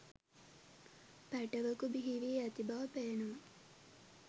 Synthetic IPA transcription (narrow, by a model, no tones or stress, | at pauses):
pæʈɐʋəkubiɦiʋiːɐt̪ibaʋpeːnum